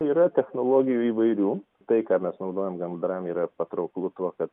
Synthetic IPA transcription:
iːɾɐt̪ʲɛxnoːlˠoːɡʲɪjuːiːʋɐɪɾʲuː | t̪ɐɪkɑːmʲɛsnɐʊd̪oːjomɡɐmd̪ɾɐmiːɾɐpɐt̪ɾɐʊklˠut̪uɔkɐt̪

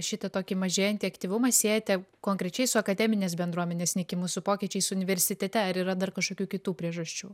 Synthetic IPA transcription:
ʃʲɪt̪ɐt̪oːkʲiːmɐʒʲeːjɛnʲt̪ʲiɐkt̪ʲiːʋʊmɐsʲeːjɛt̪ʲɛkoːŋkɾʲɛt͡ʃʲɛɪsʊɐkɐd̪ʲɛmʲɪnʲeːsbʲɛnd̪ɾuɔmʲɛnʲeːsʲnʲɛkʲɪmʊsʊpoːkʲiːt͡ʃʲɛɪsʊʊnʲɪʋʲɛɾʲsʲɪt̪ʲɛt̪ʲɛɐɾiɾɐd̪ɐrkɐʃkoːkʲuːkʲɪt̪uːpʲɾʲiɛʒɐsʲt͡ʃʲuː

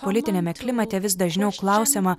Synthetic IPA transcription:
polʲɪt̪ʲɪnʲemʲɛklʲɪmɐt̪ʲɛʋʲɪs̬d̪ɐʒʲnʲɛʊklˠɐˑʊsʲeːmɐ

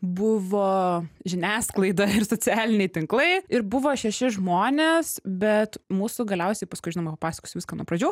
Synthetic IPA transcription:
bʊʋoːʒʲɪnʲæːsklˠɐɪd̪ɐɪɾsoːt͡sʲæːlʲɪnʲɛɪt̪ʲɪŋklˠɐɪɪɾbʊʋoːʃʲɛʃʲɪʒmoːnʲeːsbʲɛt̪muːsʊɡɐlʲɛʊsʲɛɪpɐskʊɪʒɪnoːmɐpɐpɑːsʲɐ̥koːsʲʊʋɪskɐːnuɔpɾɐd͡ʒʲuː

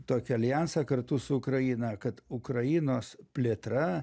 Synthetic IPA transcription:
t̪oːkʲɛɐlʲjænsɐkɐrt̪ʊsʊʊkɾɐjiːnɐkɐt̪ʊkɾɐjɪnoːspʲlʲet̪ɾɐ

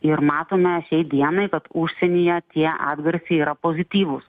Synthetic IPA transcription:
ɪɾmɑːt̪oːmʲɛʃʲɛɪd̪ʲiɛnɐɪkɐt̪ʊʃʲsʲɛnʲijɛt̪ʲiɛʔɑ̰ːd̪ɡɐɾʲsʲeiːɾɐpoːzʲɪt̪ʲiːʋʊs

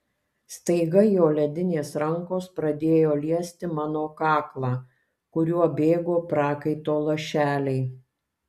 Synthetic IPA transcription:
st̪ɐɪɡɐjoːlʲɛd̪ʲɪnʲeːsɾɐŋkoːspɾɐd̪ʲeːjoːlʲiɛsʲt̪ʲɪmɑːnoːkɑːklˠɑː | kʊɾʲuɔbʲeːɡoːpɾɑːkɐɪt̪oːlˠoʃʲæːlʲɛɪ

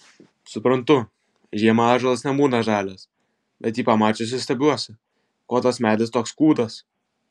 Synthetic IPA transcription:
sʊpɾɐnt̪ʊ | ʒʲiɛmɐɑːʒʲɛlˠɐsnʲɛbuːnɐʒɑːlʲɛs | bʲɛt̪jiːpɐmɑːt͡ʃʲɛs̬ʲɪst̪ʲɛbʲuɔsʲɪ | koːt̪ɐsmʲæːd̪ʲlʲɪst̪oːkskuːd̪ɐs

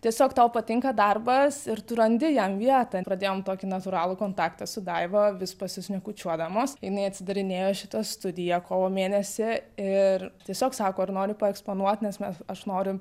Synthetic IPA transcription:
tʲiɛsʲoːkt̪ɐʊpɐt̪ʲɪŋkɐd̪ɐrbɐsɪɾt̪ʊɾɐnʲd̪ʲɪjɛmʋʲiɛt̪ɐpɾɐd̪ʲeːjoːmt̪oːkʲɪnɐt̪ʊɾɑːlˠʊkoːnt̪ɑːkt̪ɐsʊd̪ɐɪʋɐʋʲɪspɐsʲɪsʲnʲɛkʊt͡ʃʲuɔd̪ɐmoːsjɪnɐɪɐt̪ʲsʲɪd̪ɐɾʲɪnʲeːjoːʃʲɪt̪ɐst̪ʊd̪ʲɪjɛkoːʋoːmʲeːnʲɛsʲɪɪrt̪ʲiɛsʲoːksɑːkoːɪrnoːɾʲʊpɐɛkspoːnuɔt̪ʲnʲɛsmʲɛsɐʃnoːɾʲʊ

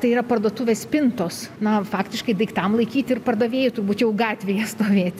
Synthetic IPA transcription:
t̪ɐɪiːɾɐpɐrd̪oːt̪ʊʋʲeːspʲɪnt̪oːsnɐfɑːkt̪ʲɪʃkɐɪd̪ɐɪkt̪ɐmlˠɐɪkʲiːt̪ʲɪrpɐrd̪ɐʋʲeːjʊt̪ʊrbuːt̪jɛʊɡɑːt̪ʲʋʲɛjɛst̪oːʋʲeːt̪ʲ

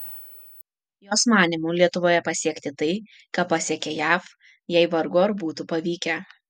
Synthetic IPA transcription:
joːsmɑːnʲimuːlʲiɛt̪ʊʋoːjɛpɐsʲiɛkʲt̪ʲɪt̪ɐɪ | kɑpːɑsʲɛkʲɛjæːf | jɛɪʋɐɾɡoːɐɾbuːt̪upɐʋʲiːkʲɛ

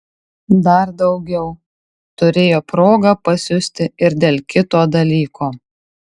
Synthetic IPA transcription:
d̪ɐɾd̪ɒʊɡʲɛʊ | t̪ʊɾʲeːjoːpɾoːɡɐpɐsʲʊsʲt̪ʲɪɪɾd̪ʲeːlʲˠkʲɪt̪oːd̪ɐlʲiːkʰoː

